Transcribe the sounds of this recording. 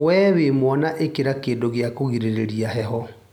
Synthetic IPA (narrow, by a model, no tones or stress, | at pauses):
wɛwemwɔnaʔekeɾakeːndoɣeakoɣiɾeɾeɾiaɦɛɦɔ